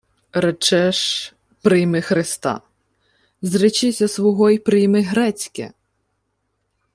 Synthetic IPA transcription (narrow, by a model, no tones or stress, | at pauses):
ɾɛt͡ʃɛʃ | pɾɪjmɪxɾɪst̪ɑ̰ | zɾɪt͡ʃɪsʲɐsʋɔɦɔjpɾɪjmɪɦɾɛt͡sʲkɛ̰